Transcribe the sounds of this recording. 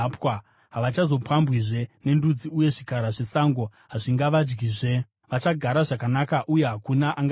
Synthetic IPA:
pwa | ɦaʋat͡ʃazo̞pwambwiʐe̞ne̞ndud͡ziuje̞ʐikaɾaʐe̞saŋɡo̞ɦaʐiŋɡaʋad͡ʒɡiːʐe̞ | ʋat͡ʃaɡʱaɾaʐakanakaʔuje̞ɦakunaʔaŋɡ

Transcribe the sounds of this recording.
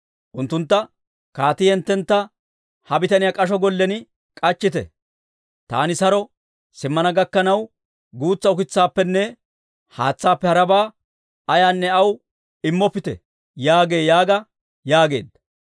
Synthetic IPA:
ʔʊnt̪ːʊnt̪ːɐ | kaːt̪ɪjɛnt̪ːɛnt̪ːɐ | hɐbɪt̪ɐnɪjaːkʼɐʃ̬ɔɡɔlːɛnɪ | kʼɐt͡ʃːɪt̪ɛ̰ | t̪a̰ːnɪsɐɾɔ | sɪmːɐnɐɡɐkːɐnɐw | ɡuːt͡sːɐʊkɪt͡sːaːpːɛnːɛ | haːt͡sːaːpːɛhɐɾɐbaː | ɐjaːnːɛɐw | ɪmːɔpːɪt̪ɛ̰ | jaːɡe̞ːjaːɡɐ | jaːɡe̞̰ːd̪ːɐ̥

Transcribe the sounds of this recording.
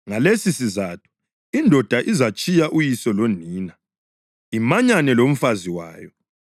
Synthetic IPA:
ŋalesisizaːtʰu̥ | indʱɔd̥ʱaʔizat͡ʃʼijaʔujisɔloniːna | imaɲanɛlom̩faziwa̰ːjɔ

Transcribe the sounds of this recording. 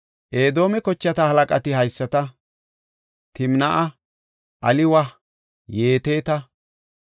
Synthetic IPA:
ʔe̞ːd̪o̞ːmɛkɔt͡ʃːɐt̪ɐhɐlɐkʼɐt̪ɪhɐjsːɐt̪ɐ | t̪ɪmnɐʔɐ | ʔɐlɪwɐ | je̞ːt̪e̞ːt̪ɐ

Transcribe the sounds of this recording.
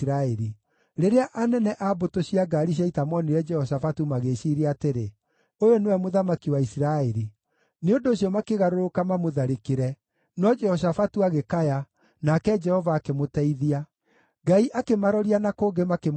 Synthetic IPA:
ɾaɛɾi | ɾeɾeaʔanɛnɛʔabotoɕiaɡaɾiɕ̬aitamɔniɾɛd͡ʒɛhɔs̬afatumaɣeɕiːɾiateɾe | ojonewɛmoðamakiwaisiɾaɛɾi | neondoːsjɔmakeɣaɾoɾokamamoðaɾekeɾɛ | nɔd͡ʒɛhɔs̬afatuaɣekaja | nakɛd͡ʒɛhɔvaːkemotɛiðia | ɡaiʔakemaɾɔɾianakoːɡemakem

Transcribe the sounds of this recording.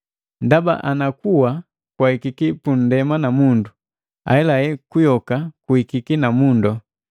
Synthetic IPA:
ndaba̰ʔanakuwa | kwahikikipun̩dɛmanamundu | a̰ɛlajɛkujɔkakuikikinamundɔ

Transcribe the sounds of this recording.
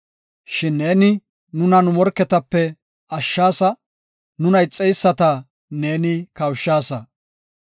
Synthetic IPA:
ʃɪnːe̞ːnɪ | nʊnɐnʊmɔɾkːɛt̪ɐpːɛ | ɐʃːaːsɐ | nʊnɐjt͡sʼːɛjsːɐt̪ɐ | ne̞ːnɪkɐwʃːaːsɐ

